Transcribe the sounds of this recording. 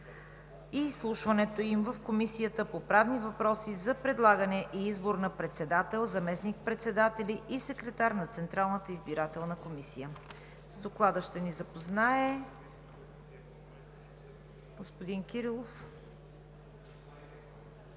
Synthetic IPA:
islˠuʃvɐnɛt̪oimvəfkomisijət̪əpopɾavnivɐpɾɔsizɐpɾɛd̪lˠaɡənɛʔiizboɾnɐpɾɛt̪sɛd̪at̪ɛlˠzɐmɛsnik̚pɾɛt̪sɛd̪at̪ɛliʔisɛkɾɛt̪aɾnɐt̪sɛnt̪ɾalˠnət̪əizbiɾat̪ɛlˠnəkomisijə | zd̪oklˠad̪əʃt̪ɛnizɐpoznaɛ | ɡospod̪inkʲiɾilˠof

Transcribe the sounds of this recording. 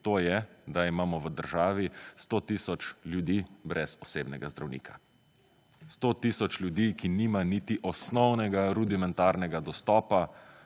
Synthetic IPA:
t̪oːjɛd̪aimaːmɔʋəd̪əɾʒaːʋist̪ot̪iːsɔt͡ʃljud̪iːbɾʔɛzɔseːbnɛɡazd̪ɾawnḭːkʰa | st̪ot̪iːsɔt͡ʃljud̪iːkiniːmaniːt̪iʔɔsnɔwnɛɡaɾud̪imɛ̃nt̪aːɾnɛɡad̪ɔst̪ɔːpa

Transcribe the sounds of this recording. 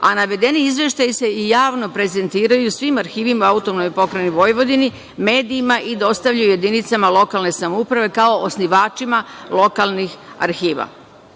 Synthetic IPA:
a̰naʋe̞d̪e̞niizʋje̞ʃt̪ajise̞ijaːʋno̞pɾe̞ze̞nt̪iːɾajusʋimaɾxiːʋimaaut̪o̞mnojpo̞kɾeniʋo̞jʋo̞d̪ini | me̞ːd̪iːmaʔid̪o̞st̪aʋʎajuje̞d̪init̪samalo̞kalˠne̞samoupɾaʋe̞kao̞ʔosniʋaːt͡ʃimalo̞kalnixa̰ɾxiːʋa̰

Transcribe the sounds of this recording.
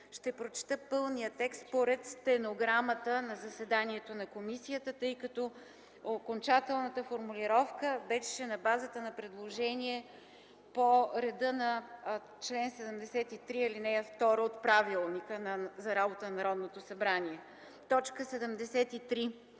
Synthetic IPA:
ʃt̪ɛpɾot͡ʃɛ̥t̪əpɤlˠnijət̪ɛkst̪poɾɛt̪st̪ɛnoɡɾamət̪ənɐzɐsɛd̪aniɛt̪onɐkomisijət̪ət̪ɤjkɐt̪ɔ | okont͡ʃat̪ɛlˠnət̪əfoɾmuliɾɔfkəbɛʃʃɛnɐbazət̪ənɐpɾɛd̪lˠoʒɛniɛ | poɾɛd̪ɤnɐ | t͡ʃlɛnsɛd̪əmd̪ɛsɛt̪it̪ɾiilinɛft̪ɔɾəot̪pɾavilˠnikənɐzɐɾabot̪ənnɐɾɔd̪not̪osɐbɾaniɛ | t̪ɔt͡ʃkəsɛd̪əmd̪ɛsɛt̪it̪ɾi

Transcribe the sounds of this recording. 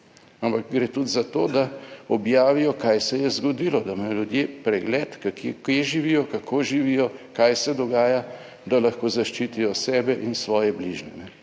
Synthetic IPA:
ampakɡɾeːt̪ud̪zat̪oːd̪aɔbjaːʋijɔkajsɛjɛzɡɔd̪ilɔd̪amajɔljud̪jepɾɛɡlɛːt̪kakekeʒiʋijɔkakʰoːʒiʋijɔkajsɛd̪ɔɡaːja | d̪alaxkoːzaʃt͡ʃiːt̪ijɔsɛːbɛʔinsʋɔːjɛbliʒnɛnɛ

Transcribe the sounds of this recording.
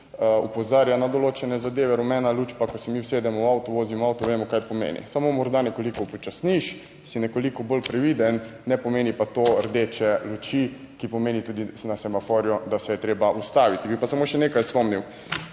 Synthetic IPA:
upɔzaɾjanad̪oloːt͡ʃɛnɛzad̪eːʋɛɾɔmɛnalut͡ʃpakɔsɛmiwseːd̪ɛmɔwawt̪ɔʋoːzimawt̪ɔʋemɔkajpɔmḛːnḭsamomɔɾd̪anɛkolikɔpɔt͡ʃasniʃ | sinɛkolikɔbolpɾɛʋid̪ɛnːɛpɔmeːnipat̪oəɾd̪eːt͡ʃɛlut͡ʃi | kipɔmeːnit̪uːd̪inasɛmafɔːɾjɔd̪asɛjɛt̪ɾeːbaʔust̪aːʋit̪ibipasamoʃɛneːkajspɔmniw

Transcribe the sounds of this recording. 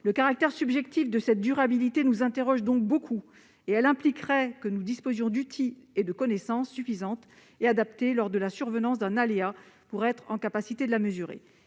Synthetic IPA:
ləkaʁak̚t̪ɛʁsybʒɛkt̪ifd̪əsɛt̪̚d̪yʁabilit̪enuzɛ̃t̪eʁɔʒd̪ɔ̃k̚bokʰu | eɛlɛ̃plikʁɛkənud̪ispozjɔ̃d̪yt̪ʰied̪əkɔnɛsɑ̃sːyfizɑ̃t̪ | ead̪ap̚t̪elɔʁd̪əlasyʁvənɑ̃s̬d̪ɛ̃naleapuʁɛt̪χɑ̃kapasit̪ed̪əlaməzyʁḛ

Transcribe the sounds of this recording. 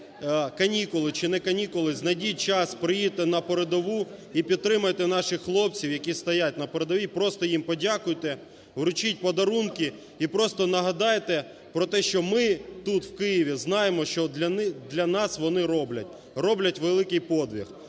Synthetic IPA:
kɐnʲikʊlˠɪt͡ʃɪnɛkɐnʲikʊlˠɪznɐdʲit͡ʃɑspɾɪjit̪ɛnɐpɔɾed̪ɔʋuipʲid̪̚t̪ɾɪmɐjt̪ɛnɑʃɪxxlˠɔp̚t͡sʲiwjɐkʲist̪ɐjatʲnɐpɔɾed̪ɔʋʲipɾɔst̪ɔjimpɔdʲakʊjt̪ɛ | ʋɾʊt͡ʃit̚ʲpɔd̪ɐɾunkɪ | ipɾɔst̪ɔnɐɦɐd̪ɑjt̪ɛ | pɾɔt̪ɛʃt͡ʃɔmɪt̪ut̪wkɪjiʋʲiznɑjemɔʃt͡ʃɔd̪lʲɐnɑsʋɔnɪɾɔblʲɐt̚ʲ | rɔblʲɐtʲʋelˠɪkɪjpɔd̪ʋʲḭx

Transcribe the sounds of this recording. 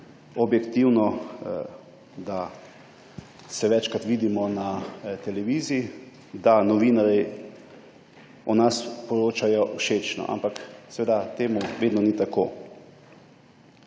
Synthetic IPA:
ɔbjɛkt̪iwnɔ | d̪a | sɛʋɛt͡ʃkɾat̪ʋiːd̪imɔnat̪ɛlɛʋiːziː | d̪anɔʋiːnaɾi | ɔnaspɔɾoːt͡ʃajɔʔuʃeːt͡ʃnɔ̰ʔa̰mpaksɛʋeːd̪at̪eːmuʋeːd̪nɔnit̪akoː

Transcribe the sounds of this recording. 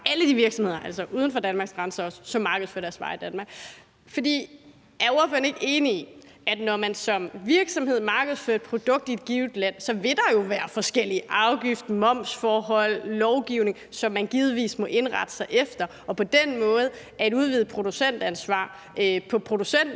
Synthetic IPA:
æləd̥iʋiɐɡ̥sɒmhe̝ð̰ˠɐʔæl̰sɒʔuːðˠən̩fɒ̽d̥ænmɑ̈ɡsɡ̥ʁɑ̈nsɐɒ̽sə̥sɒ̽mːɑ̈ːɡ̥əð̩ˠføɐd̥æɐsʋɑ̈id̥ænmɑ̈ːɡ̥ | fɒ̽d̥ḭː | æɐoɐføɐn̩e̝ɡ̥e̝ːnii | æd̥nɒmænsɒ̽mʋiɐɡ̥sɒ̽mhe̝ð̞̰ˠmɑ̈ːɡ̥əð̩ˠsføɐed̥̚pʰʁo̝d̥ɔ̽ɡ̥̚d̥ie̝d̥̚ɡ̥iːʊd̥læn̰sɒ̽ʋe̝d̥ɑ̈jo̝ʋæːɐfɒ̽sɡ̥el̰iʔɑ̈ʊɡ̥ifd̥mɒ̽m̰sfɒːɦɒ̽l̰ːɒʊɡ̥iʊ̰ne̝ŋsɒ̽mːænɡ̥iːð̞̩ˠʋḭːsmɒ̽ʔe̝nʁɑ̈d̥ə̥sɑ̈ɪʔefd̥ɐ | ʔɒ̽pʰɒ̽d̥enmɔ̽ːð̞̩ˠ | æɐe̝duð̞ˠʋiːð̩ˠpʰʁo̝d̥usen̰d̥ænsʋɑ̰̈ː | øpʰɒ̽pʰʁo̝d̥usen̰d̥

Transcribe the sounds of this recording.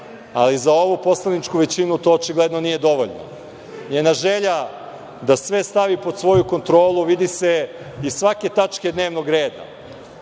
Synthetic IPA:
a̰lizao̞ʋupo̞slˠanit͡ʂkuʋe̞t͡ɕinut̪o̞ːt͡ʃiɡlˠed̪no̞nije̞d̪o̞ʋo̞ʎno̰ | ɲenaʒe̞ʎa | d̪asʋe̞st̪aʋipo̞d̪sʋo̞juko̞nt̪ɾo̞ːlˠuʋid̪ise̞ | isʋake̞t̪at͡ʃke̞d̪ne̞ːʋno̞ɡɾeːd̪a̰

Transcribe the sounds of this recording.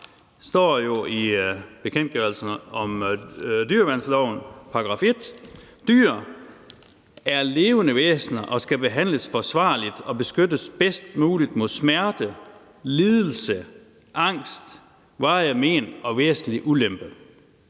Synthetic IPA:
sd̥ɒ̰ːjo̝ib̥e̝kʰen̰d̥̚ɡ̥œɐlsn̩ɒ̽m | d̥yɐʋæn̰slɒʊnpʰɑ̈ɡ̥ʁɑ̈fe̝d̥ | d̥yɐ̰ | æɐle̝ːʊənəʋḛːsnɐʔɒ̽sɡ̥æb̥e̝ɦæn̰ləsfɒ̽sʋɑ̰̈ːlid̥ɒ̽b̥e̝sɡ̥ødəsb̥esd̥muːlid̥mo̝ðˠsmæɐd̥ə | liːðˠl̩sə | ʔɑ̈ŋ̰sd̥ | ʋɑ̈me̝̰ːnɒ̽ʋḛːsn̩liʔulemb̥ə

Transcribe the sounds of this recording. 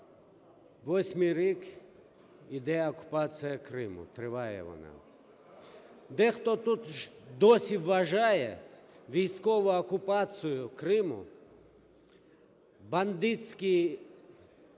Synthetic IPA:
ʋosʲmiɾek | id̪ɛjaoku̥pat̪sijakɾɪmṵt̪ɾɪʋajɛ̰ʋɔ̰na̰ | d̪ɛxt̪ot̪ut̪ʃd̪osʲiʋaʒajɛ̰ʋijskoʋookupat̪sijʊkɾɪmṵ | band̪it̪ski

